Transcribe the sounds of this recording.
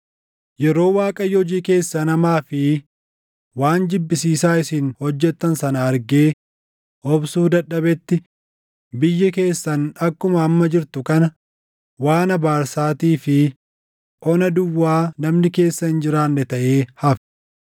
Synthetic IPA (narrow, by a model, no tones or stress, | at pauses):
jɛɾo̞ːwaːkʼɐjːɛɔd͡ʒiːke̞ːsːɐnɐmaːfɪ | waːnd͡ʒ̪ɪbːɪsiːsaːɪsɪnhɔd͡ʒːɛt̪ːɐnsɐnɐɐɾɡe̞ː | ʔɔbsuːd̪ɐᶑːɐbɛt̪ːɪ | bɪjːɐke̞ːsːɐnɐkːʊmɐːmːɐd͡ʒɪɾt̪ʊkɐnɐ | waːnɐbaːɾsaːt̪iːfɪ | ʔɔnɐd̪ʊwːaːnɐmnɪke̞ːsːɐhɪnd͡ʒɪɾaːnːɛt̪ɐʔeːhɐf